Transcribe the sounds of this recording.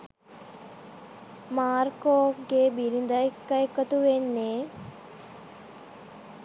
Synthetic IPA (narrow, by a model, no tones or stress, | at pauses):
maːɾkoːɡebiɾind̪ajkːɐjkːət̪uʋenːe